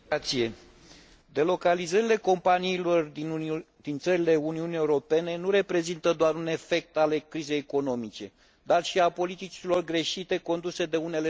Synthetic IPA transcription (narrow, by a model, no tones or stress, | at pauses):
t̪sie̞ | d̪e̞lo̞kalizəɾile̞ko̞mpaniːlori | d̪̥int̪səɾile̞uniunie̞uɾo̞pe̞ne̞nuɾe̞pɾe̞zint̪əd̪oaɾune̞fe̞k̚t̪alekɾize̞jeko̞no̞mit͡ʃe̞ | d̪arʃiapo̞lit̪it͡ʃilo̞rɡɾe̞ʃit̪e̞ko̞nd̪use̞d̪e̞une̞le